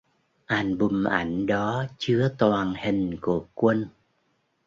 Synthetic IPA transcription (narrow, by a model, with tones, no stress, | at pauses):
ʔaː˨˩nɓʊ˨˩mʔa̰˧˩jŋ̟ɗɔ˨˦t͡ɕɨ˨˦ət̪waː˨˩nhï˨˩ŋ̟ku˧˩əkwə˧n